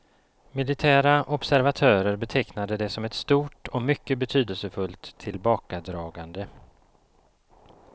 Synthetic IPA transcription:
mɪlɪt̪ʰæːɾaʔɔbsæɾvat̪ʰœːɾəɾbɛt̪ʰɛknad̪əd̪ɛsɔmɛt̪st̪uːʈɔmʏkːəbɛt̪ʰyːd̪əlsəfɵlt̪ʰːɪlbɑːkad̪ɾɑːɡand̪ə

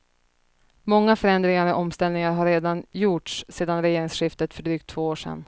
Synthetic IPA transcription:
mɔŋːafœɾɛnd̪ɾɪŋaɾɔʔɔmst̪ɛlnɪŋaɾɦaɾːeːd̪anjuʈʂseːd̪anɾɛjeːɾɪŋsɧɪft̪ət̪fœɖɾyːk̚t̪ʰːv̥oːoːʂɛ̰n

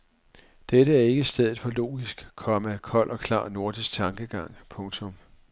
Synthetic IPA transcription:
d̥eɾəæɐe̝ɡ̥əisd̥eð̞ˠð̩ˠfɒ̽lo̝̰ːɡ̥isɡ̥kʰɒ̽məækʰɒ̽l̰ʔɒ̽kʰlɑ̰̈ːno̝ɐd̥isɡ̥̚t͡sʰɑ̈ŋɡ̥əɡ̥ɑ̈ŋ̰pʰɔ̽ŋt͡sʰɔ̽m

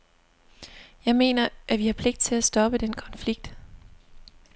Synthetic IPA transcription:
jɑ̈ɪme̝̰ːnɐʔæʋihɑ̈pʰle̝ɡ̥d̥̚t͡sʰe̝læsd̥ɒ̽b̥əd̥enkʰɒ̽nfliɡ̥̚d̥

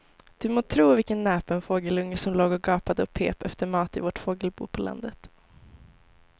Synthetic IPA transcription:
d̪̥ɵmoːt̪ʰɾuːvɪlkənːɛːpənfoːɡəlɵŋːəsɔmloːɡɔɡɑːpad̪əɔpʰḛːpɛ̰ft̪əɾmɑːt̪ɪvoʈfoːɡəlbṵːɾpʰɔlʔa̰nd̪ət̪

